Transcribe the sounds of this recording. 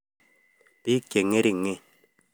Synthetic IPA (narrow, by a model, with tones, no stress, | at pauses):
pi˦kje˨ŋe˦ɾi˨ŋe˦